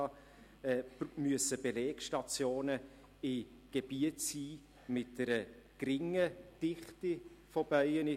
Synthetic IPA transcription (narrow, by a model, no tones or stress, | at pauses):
ɑ | ɛmyəsəb̥eleːkʃtɑt͡sjoːnə | ɪ | ɡ̥eb̥iətsiː | mɪt̚d̥əɾə | kɾɪŋəd̥ɪχtɪfob̥œʏənɪ